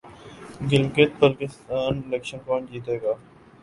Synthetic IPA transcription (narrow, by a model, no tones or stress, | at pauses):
ɡɪlɡet̪̚bəlkɪst̪aːnɪleːkʃənkãːɳd͡ʒiːt̪eːɡaː